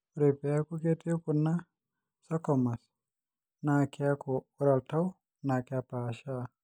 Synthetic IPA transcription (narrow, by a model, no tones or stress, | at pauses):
ɾepɛakuketiokunːa | sakɔmas | nakʰiakɔuɾaltaw | nakɛapaʃa